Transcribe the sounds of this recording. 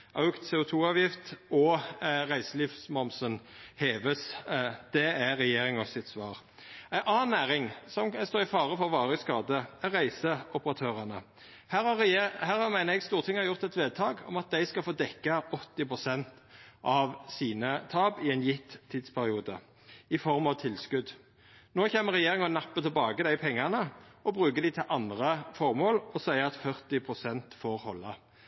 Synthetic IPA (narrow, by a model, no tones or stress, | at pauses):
ʔɑʉkt̪seːʊt̪ʰuːɑːʋjɪft̪ɔʁæɪsəliːfsmɔmsənheːʋəsd̪̥ɛæɾɛjeːɾɪŋɔsɪt̪sʋɑːʁæɪɑːnːæːɾɪŋsɔmst̪oːɾɪfɑːɾəfɔʁʋɑːɾəskɑːd̪əɛʁæɪsəʊpəɾɑt̪ʰøːʁɑnə | hæːɾɑhæːɾhɑmæɪnəɾɛɡst̪uːʁt̪ʰɪŋːɑjʊʁt̪ɛt̪ʋeːd̪̚t̪ʰɑːɡɔ̰mɑt̪̚d̪æɪskɑlfoːd̪ɛkːɑɔt̪ːɪpʰʁʊsɛnt̪ | ʔɑʋsiːnət̪ʰɑːbɪɛɪnjɪt̪ʰːiːd̪spʰæɾɪuːd̪ə̰ | ɪfɔʁmɑʋt̪ʰɪlskʉd̪ | noːçeːməʁɛjeːɾɪŋɑnɑpːət̪ʰɪlbɑːɡəd̪æɪpʰɛŋːɑnəɔbʁʉːkəd̪ɪt̪ʰɪlʔɑnd̪ʁəfɔʁmoːlɔsæɪəɑt̪fœʁt̪ɪpʰʁʊsɛnt̪foːɾhɔlːɑ